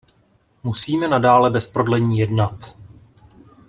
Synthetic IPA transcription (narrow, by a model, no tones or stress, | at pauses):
musiːmɛnadaːlɛbɛspɾo̞dlɛɲiːjɛdnat̪